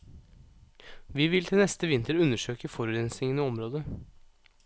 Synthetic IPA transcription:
ʋiːʋɪlt̪ʰɪlnɛst̪əʋɪnt̪əɾʉnəʂøːkəfɔɾʉɾɛnsɪŋənəɔmɾoːd̪ə

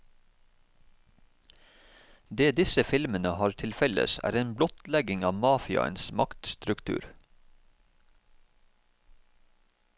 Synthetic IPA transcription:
d̪eːd̪ɪsəfɪlmənəhɑːɾt̪ʰɪlfɛlə̰sæ̰ːɾeːnblɔt̪lɛɡɪŋɑːʋmɑːfɪɑ̰ə̰nsmɑkt̪st̪ɾʉkt̪ʰʉ̰ːɾ

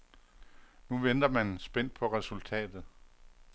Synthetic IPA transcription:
nuʋend̥ɐmænsb̥en̰d̥̚pʰɒ̽ʁɛsult͡sʰɛ̰ːd̥ð̞̩ˠ

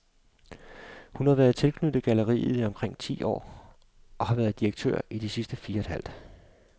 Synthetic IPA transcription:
hunhɑ̈ʋæːɐð̞̩ˠt͡sʰe̝lkʰnyd̥ð̩ˠɡ̥æləʁḭːð̩ˠiɒ̽mkʰʁeŋ̰t͡sʰḭːʔɒ̰ː | ʔɒ̽hɑ̈ʋæɐð̞̩ˠd̥iʁɐɡ̥̚t͡sʰø̰ɐ̰id̥isisd̥əfiːɐed̥hæl̰d̥

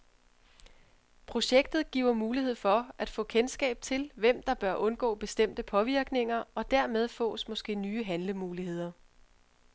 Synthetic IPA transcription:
pʰʁo̝ɕeɡ̥̚d̥ð̞̩ˠɡ̥ḭːʊɐmuːlihe̝ð̞̰ˠfɒ̽æd̥fɔ̰̽ːkʰensɡ̥ɛ̰ːb̥̚t͡sʰe̝lʋem̰d̥ɑ̈b̥ɶɐʔɔ̽nɡ̥ɔ̰̽ːb̥e̝sd̥em̰d̥əpʰɒ̽ʋiɐɡ̥ne̝ŋɐɒ̽d̥æɐmeð̞ˠfɔ̰̽ːsmɒ̽sɡ̥e̝̰ːnyːəɦænləmuːlihe̝ð̞̰ˠɐ

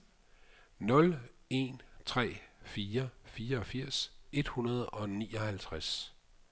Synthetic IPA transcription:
nɔ̽le̝̰nt͡sʰʁɛ̰ːfiːɐfiːɐɒ̽fiɐ̰se̝d̥hunɐð̞̩ˠɒ̽nḭːɒhælt͡sʰʁas

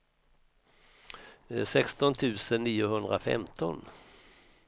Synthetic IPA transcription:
sɛkst̪ɔnt̪ʰʉ̟ːsənːiːʊɦhɵnd̪ɾafɛ̰mt̪ʰɔ̰n

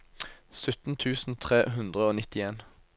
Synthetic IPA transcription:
sʉt̪n̩t̪ʰʉːsn̩t̪ʰʁeːɦʉnd̪ʁəoːnɪt̪ɪeːn

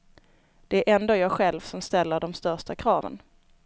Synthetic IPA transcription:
d̪̥ɛæɾʔɛnd̪oːjɑːɡɧɛlvsɔmst̪ɛlːəɖɔmst̪œʂʈakʰɾɑːvə̰n

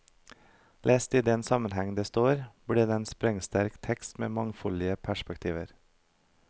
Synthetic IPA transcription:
lʔeːst̪iːd̪ɛnsɑmənhɛŋd̪eːst̪oːɾbɽiːd̪eːeːnspɾɛŋst̪æɾkt̪ʰɛkst̪mḛːmɑŋfɔlɪəpʰæʃpɛkt̪ʰiːʋə̰ɾ

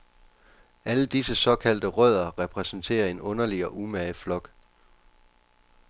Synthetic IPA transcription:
æləd̥isəsɒ̽kʰæl̰d̥əʁœð̞̰ˠɐʁɛpʰʁɛsn̩t͡sʰe̝̰ːɐe̝nɔ̽nɐliɒ̽ʔumæflɒ̽ɡ̥

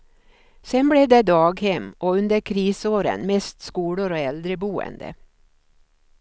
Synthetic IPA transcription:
sɛnbleːd̪eːd̪ɑːɡhɛmʔoːʉnd̪əɾkʰɾiːsoːɾə̰nmɛst̪skuːɽʊɾoːɛld̪ɾəbuːə̰nd̪ə̰

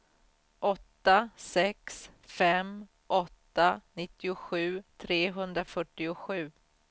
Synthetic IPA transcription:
ʔɔt̪ːasɛksfɛm | ʔɔt̪ːanɪt̪ːɪʊɧʉ̟ːt̪ʰɾeːɦɵnd̪ɾafœʈːɪʊɧʉ̟ː

